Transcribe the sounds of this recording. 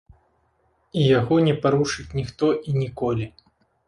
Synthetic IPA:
ijaɣɔnʲɛpaɾuʂɨt͡sʲnʲixt̪ɔʔinʲikɔlʲi

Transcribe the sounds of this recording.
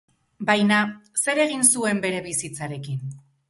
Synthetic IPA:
bajnase̞ɾe̞ɣinsue̞mbe̞ɾe̞βisit͡saɾe̞kin

